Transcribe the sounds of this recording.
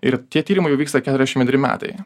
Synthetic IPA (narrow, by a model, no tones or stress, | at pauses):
ɪɾt̪ʲiɛt̪ʲiːɾʲɪmɐɪjɛʊʋiːkst̪ɐkʲæt̪ɾɛzʲɛʃmkʲɛt̪ʲːɾʲɪmʲæ̰ːt̪ɐ̰ɪ